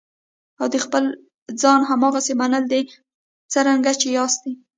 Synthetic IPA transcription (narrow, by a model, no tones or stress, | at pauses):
awd̪əxpəl | d͡zɑnɦamɑɣasemanəld̪e | t͡səɾaŋɡat͡ʃejɑst̪i